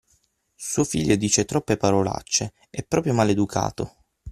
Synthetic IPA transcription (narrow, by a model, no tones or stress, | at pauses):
suofiʎːod̪iːt͡ʃet̪ɾɔpːepaɾola̰t͡ʃːe | ɛpːɾɔːpɾjomaled̪ukʰa̰ːt̪o̰